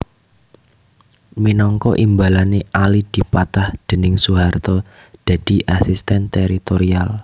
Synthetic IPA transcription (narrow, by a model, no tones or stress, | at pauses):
minɔŋkɔʔimbalaneʔalid̪̥i̤pat̪ahd̪̥ə̤nɪŋsuɦart̪ɔ | d̪̥a̤d̪̥i̤ʔasist̪ɛnt̪eɾit̪oɾial